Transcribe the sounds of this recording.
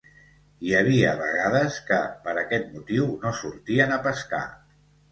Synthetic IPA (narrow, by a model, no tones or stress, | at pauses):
iəβiəβəɣað̞əskəpəɾəkɛt̪̚mut̪iwnosuɾt̪iənəpəska̰